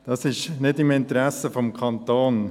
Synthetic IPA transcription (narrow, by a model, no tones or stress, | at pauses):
d̥ɑsɪʃnɪdɪmɪntəɾæsəfɔmkʰɑnt̪oːn